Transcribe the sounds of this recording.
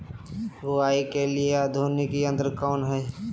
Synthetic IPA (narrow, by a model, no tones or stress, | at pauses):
ʋoaːikelieaːd̪ʱoːnekiə̃nd̪əɾkɔːnɦɛː